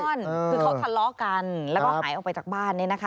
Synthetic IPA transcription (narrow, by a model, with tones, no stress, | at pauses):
nː˧ɯː˧ka˦˥kʰa˧lɔː˦˥ka˧nlɛː˦wwkɔː˥haː˩˦ʔkpa˧jt͡ɕaː˨˩k̚baː˥˩nːi˥˩˨na˦˥kʰ